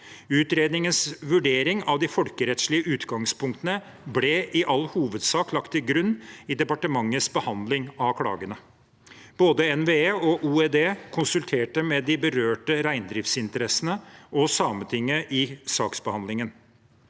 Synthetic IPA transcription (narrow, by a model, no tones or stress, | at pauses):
ʉːt̪ɾeːd̪nɪŋənsʋʉɖeːɾɪŋɑʋd̪ɪfɔlkəɾɛt̪ʂɭɪəʉːt̪ɡɑŋspʊŋkt̪ənə | blɛʔɪʔɑlːhuːʋəd̪sɑːklɑkt̪ʰːɪlɡɾʉnːɪd̪ɛpɑʈəmɑŋːəsbəhɑnd̪lɪŋɑkʰɽɑ̰ːɡənə | b̥oːd̪əɛnʋeːeːɔʔuːɛd̪eːkʰʊnsʉlt̪ʰeːʈəmɛd̪ɪbəɾøːʈəɾæɪnd̪ɾɪft̪sɪnt̪əɾɛsənəʔɔsɑːmənt̪ʰɪŋːəʔɪsɑːksbəhɑnd̪lɪŋən